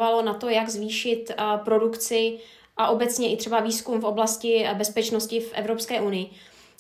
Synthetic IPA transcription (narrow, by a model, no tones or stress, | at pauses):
valo̞nat̪o̞jaɡzviːʃɪt̪pɾo̞dukt͡sɪ | ʔaʔo̞bɛt̪t͡sɲɛʔɪt̪r̥ɛbaviːskumfo̞blascɪbɛspɛt͡ʃno̞scɪfʔɛ̰vɾo̞pskɛːʔunɪjɪ